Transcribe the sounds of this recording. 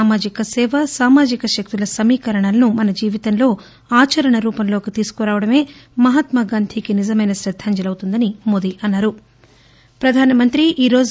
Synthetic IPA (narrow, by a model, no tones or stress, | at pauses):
aːmaːd͡ʒikɐsɛːʋɐsaːmaːd͡ʒikɐʃɐk̚t̪ulɐsɐmiːkɐɾɐɳɐlɐnumɐnɐd͡ʒiːʋit̪ɐnlo̞ː | aːt͡ʃɐɾɐɳɐɾuːpɐnlo̞ːkit̪iːsu̥kuɾaːʋɐɽɐme̞ːmɐɦɐt̪mɐɡaːnd̪ʱʰikinid͡ʒɐmɐjnɐʃɾɐd̪ʱːaːɲd͡ʒɐlɐwt̪und̪ɐnimod̪iʔɐnːaːɾu | pɾɐd̪ʱaːnɐmɐnt̪ɾiʔiːɾo̞ːd͡ʒ